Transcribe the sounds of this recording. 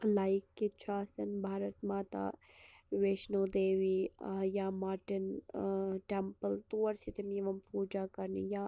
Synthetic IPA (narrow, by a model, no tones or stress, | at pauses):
laːikːit͡ʃʰaːsɐnbʱaːɾɐt̪maːt̪a̰ːʋeːʃnoːd̪eːʋijamaːɾʈɪn | ʈempəlt̪uːɐɾsit̪ʰimiʋɐmpuːd͡ʒaːkɐɾnḭja